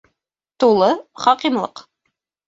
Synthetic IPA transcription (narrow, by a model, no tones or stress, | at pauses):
t̪ulˠɤχɑqimlˠɤq